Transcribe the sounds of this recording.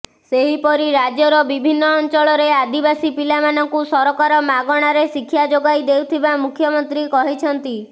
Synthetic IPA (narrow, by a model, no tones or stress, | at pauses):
seɦipɔɾiɾad͡ʒjɔɾɔbibʱinːɔːnt͡ʃɔɭɔɾead̪ibasipilamanɔŋkusɔɾɔkaɾɔmaɡɔɽ̃aɾesikʰːjad͡ʒoɡajd̪ewt̪ʰibamukʰjɔmɔnt̪ɾikɔɦit͡ʃʰɔnt̪i